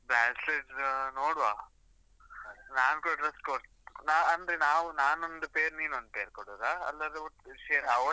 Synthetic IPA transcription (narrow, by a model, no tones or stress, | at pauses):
baːsleʈnoːɽʋaː | naːnkoɖɾɐskoɾ | naːɐnd̪ɾenaːʋunaːnond̪upeːɾniːnond̪̚peːɾkoɽoːɾaɐ̰lːɐd̪euʈʃeɾɐʋ